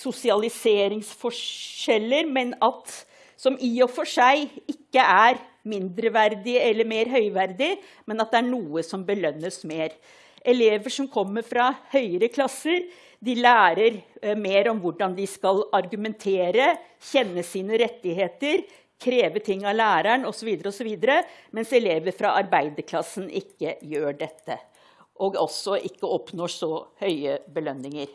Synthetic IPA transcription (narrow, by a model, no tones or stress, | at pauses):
sʊsɪɑlɪseːɾɪŋsfɔʂɛlːəɾmɛnɑt̪ | sɔmʔiɔfɔʂæɪɪkːəʔæɾmɪnd̪ɾəʋæɾd̪ɪəɛlːəɾmeːɾɦœʏʋæɾd̪ɪ | mɛnɑt̪̚d̪ɛæɳuːəsɔmbəlœnːəsmeːɾ | ʔɛleːʋəʂɔmkʰɔmːəɾfɾɑhœʏəɾəkʰlɑsːəɾ | d̪ɪlæːɾəɾmeːɾɔmʋʊɖɑnd̪ɪskɑlɑɾɡʉmɛnt̪ʰeːɾə | çɛnːəsiːnəɾɛt̪ːɪɦeːt̪əɾ | kʰɾeːʋəʈ̪ʰɪŋːɑlæːɾæɳɔsɔʋiːd̪əɾəɔsɔʋiːd̪əɾəmɛnsɛleːʋəɾfɾɑʔɑɾbæɪd̪əɾkʰlɑsːn̩ʔɪkːəjøːɖɛt̪ːə | ʔɔɡɔsɔʔɪkːəɔpnoːʂɔhœʏəbəlœnːɪŋəɾ